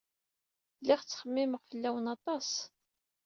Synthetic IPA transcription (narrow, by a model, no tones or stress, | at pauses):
lɪʁt͡sːχəmːɪməʁfəlːæwənɑt̪ˤɑs